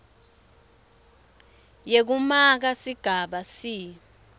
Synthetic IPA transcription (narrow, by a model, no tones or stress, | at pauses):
jek̬umak̬asiɡ̥ʱaɓasiː